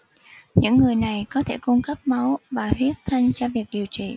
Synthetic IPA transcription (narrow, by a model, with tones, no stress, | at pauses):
ɲɨ̰˧˥ŋːɨ˨˩əjna˨˩jkɔ˨˦t̪ʰe˧˩ku˧ŋ͡mkə˦˥p̚ma˨˦wvaː˨˩hwi˦˥ət̚t̪ʰa˧jŋ̟t͡ɕɔ˧vi˨˩ək̚ɗi˨˩əwt͡ɕḭ˧˨